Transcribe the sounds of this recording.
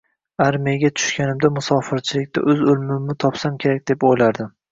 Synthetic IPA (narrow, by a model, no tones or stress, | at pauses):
aɾmiaɡʲat̪ʰʊ̥ʃkʲanɪmd̪amʊsɒfɪɾt͡ʃʰɪlɪkʲt̪ʰa̰ʔɵzʊlmɪmːɪt̪ʰɒpsamkʲʰe̞ɾak̚ʲd̪e̞pojlaɾd̪ɪm